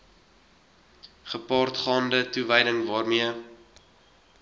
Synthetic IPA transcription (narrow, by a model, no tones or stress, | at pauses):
χəpɑːrtχɑːndətuvəjdəŋvɑːrmiə